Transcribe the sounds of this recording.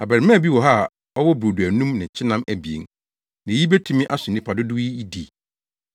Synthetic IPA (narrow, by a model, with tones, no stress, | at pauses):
a˨bæ˨ɾɪ˨mã˦˨bi˦wɔ˨ɦa˦˨ | ɔ˦wɔ˦bɾo˨du˨æ˨nũ˦mnɪ̃˨t͡ɕʰɪ˦nã˦mæ˨bi˨ḛ˨n | nã˨˦i˦be˦tʰũ˨˦mɪ̃˦ʔa˦sʊ˨nĩ˦pʰa˨dʊ˦dʊ˦i˦i˦di˨